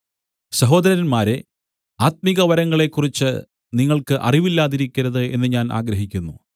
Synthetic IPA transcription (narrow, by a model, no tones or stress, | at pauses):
sɐɦo̞ːd̪ɐɾɐɾɐnmaːɾe | aːt̪̚miɣɐʋɐɾɐŋːɐɭe̞kːurit͡ɕːɨ | niŋːɐɭkɨʔɐ̰riʋilːaːðiɾikʲːɐɾɐðɨe̞̰nːɨɲaːnʔa̰ːɡɾɐɦikʲːunːu